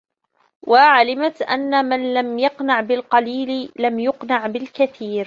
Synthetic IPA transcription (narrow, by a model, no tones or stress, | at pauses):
wʔaʕalɪmat̪ʔa̰nːamanlamjɑqnaʕbɪlqɑliːlɪlamjʊqnaʕbɪlkaθiːɾ